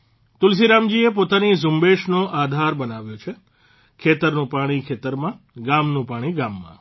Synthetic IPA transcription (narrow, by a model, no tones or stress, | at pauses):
t̪ʊls̬iɾamd͡ʒiepot̪anizʊmbeʃnoʔad̪ʱaɾbənaʋjot͡ʃʰe | kʰet̪əɾnũpaɽ̃ikʰet̪əɾmã | ɡamnũpaɽ̃iɡamːã̰